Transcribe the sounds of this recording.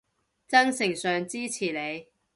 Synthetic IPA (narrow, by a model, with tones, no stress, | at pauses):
t͡sɐ˥ŋsɪ˨˩ŋsœː˨ŋt͡siː˥t͡sʰiː˨˩le˨˧j